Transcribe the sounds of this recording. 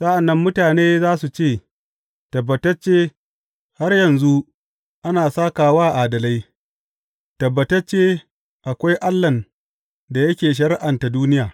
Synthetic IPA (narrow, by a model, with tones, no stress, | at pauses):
sa˦ʔa˨nːɐ˦mːʊ˦taː˨neː˦zaː˦su˨t͡ʃeː˦˨ | tɐ˨bːɐ˨tɐ˦t͡ʃːeː˦ | ha˦rjɐ˨nzu˦ | ʔa˦naː˨saː˦kaː˨waː˦ʔaː˨dɐ˨la˦j | tɐ˨bːɐ˨tɐ˦t͡ʃːeː˦ | ʔa˨kʷa˦jʔa˦lːɐ˨n | da˨jɐ˦kʲeː˨ʃ̬ɐ˨ɾɪ˦ʔa˨nta˨duː˦nɪ˦jaː˨